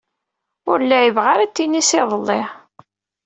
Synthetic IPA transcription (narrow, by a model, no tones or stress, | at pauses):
ʊɾəlːæjəvʁaɾæt̪ːinisɪðˤəlˤːɪ